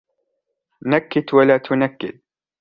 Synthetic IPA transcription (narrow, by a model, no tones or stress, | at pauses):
nakːɪt̪walaːt̪ʰʊnakːɪ̰d̪̚